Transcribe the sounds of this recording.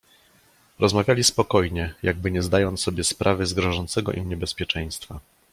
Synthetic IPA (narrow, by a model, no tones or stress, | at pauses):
ɾɔzmavʲjalʲispɔkɔjɲɛjʔaɡ̚bɘɲɛzd̪ajɔnt̪sɔbʲjɛspɾʔavɘzɡɾɔʐɔnt̪sɛɡɔ̰ʔimɲɛbɛspʲjɛt͡ʂɛj̃st̪fa